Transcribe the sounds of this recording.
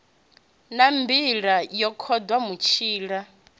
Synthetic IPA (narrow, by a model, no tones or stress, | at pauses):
nambiɺajɔkʰɔdwamut͡ʃʰiːɺa